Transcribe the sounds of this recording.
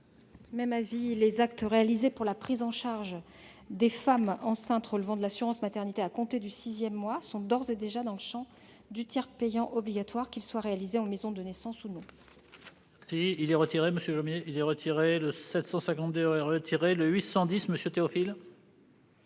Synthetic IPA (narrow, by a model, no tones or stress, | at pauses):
mɛmavilezak̚t̪əʁealizepuʁlapχizɑ̃ʃaʁʒ | d̪efamɑ̃sɛ̃t̪χɔlvɑ̃d̪əlasyʁɑ̃smat̪ɛʁnit̪eakɔ̃t̪ed̪ysizjɛmːwasɔ̃d̪ɔʁzed̪eʒad̪ɑ̃ləʃɑ̃ | d̪yt̪jɛʁpejɑ̃ʔɔbliɡʲat̪waʁkʲilswaʁealizeɑ̃mezɔ̃d̪ənesɑ̃sunɔ̃ | siilɛʁət̪iʁeməsjøʒomjeilɛʁət̪ʰiʁeləsɛt̪sɑ̃sɛ̃kɑ̃t̪d̪eʁət̪ʰiʁeləɥisɑ̃d̪isməsjøt̪eɔfil